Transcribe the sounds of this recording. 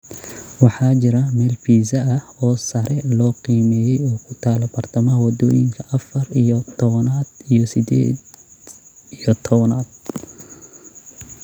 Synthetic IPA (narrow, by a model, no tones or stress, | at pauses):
wɑħɑːt͡ʃɪɾɐmɛːlfiːzɐɐhɔːsɐɾʔɛlɔːqiːmɛːjɛjɔːkʰʊ̥t̪ʰaːlɐbɐrt̪ʰɐmɐɦɐwɐd̪ɔːjɪŋkʰɐʔɐfɐrijɔt̪ʰɔβɐnaːd̪ijɔsɪd̪ɛ̰ːd̪ | ijɔt̪ʰɔβɐnaːd̪̥̚